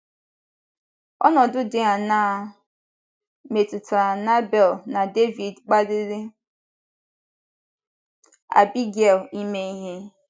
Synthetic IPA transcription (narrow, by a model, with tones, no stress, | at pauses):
ɔ̰˦nɔ˨dʊ˦dɪ˦ɦa˨na˨ | me˨tʊ˨ta˨na˦bɛ˨lna˨de˦vi˨dk͡pa˦dɪ˦ɾɪ˦ | a̰˨bi˦ɡe˨li˦me˦i˦ɦe˦